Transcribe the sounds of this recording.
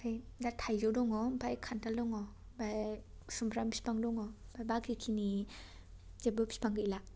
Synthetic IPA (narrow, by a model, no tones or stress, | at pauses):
aj | datʰajzɔwdɔŋɔmpʰajkʰantaldɔŋɔ | ba | sumpʰɾampʰi̥spaŋdɔŋɔbajbakʰikʰini | zebɯpʰi̥spʰaŋɡɯila